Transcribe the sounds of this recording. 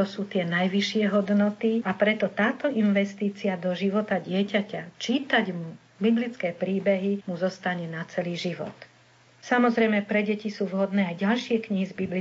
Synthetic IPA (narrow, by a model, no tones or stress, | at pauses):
ɔsuːt̪ɪɛnajʋiʃɪɛɦɔd̪nɔt̪iapɾɛt̪ɔt̪aːt̪ɔʔinʋɛst̪iːt͡siad̪ɔʒiʋɔt̪aɟɪɛcacat͡ʃiːt̪aɟmu | biblit͡skɛːpɾiːbɛɦimuzɔst̪aɲɛnat͡sɛliːʒiʋɔ̰t̪ | samɔzɾɛjmɛpɾɛɟɛcisuːʋɦɔd̪nɛːajɟalʃɪɛkɲiɦizbibli